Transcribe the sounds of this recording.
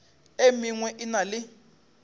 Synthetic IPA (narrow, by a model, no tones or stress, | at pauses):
emiŋwɛʔinalɪ